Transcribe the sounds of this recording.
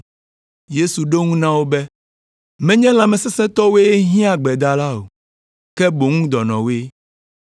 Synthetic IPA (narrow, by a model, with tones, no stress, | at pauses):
je˦su˨ɖo˦ŋũ˦nã˦wo˦bɛ˦ | mɛ̃˦ɲɛ̃˦l̃ã˨mɛ̃˨sɛ˦sɛ̃˦t̪ɔ˦we˦e˦ɦĩ˦a˨ɡ͡bɛ˨d̪a˨la˦o̰˨ | kɛ˦bo˨ŋũ˦d̪ɔ˨nɔ̃˨we˦